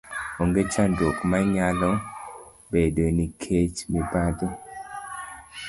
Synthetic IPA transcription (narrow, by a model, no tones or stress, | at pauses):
oŋɡet͡ʃandokmaɲalɔ | bedonikʰet͡ʃmibad̪o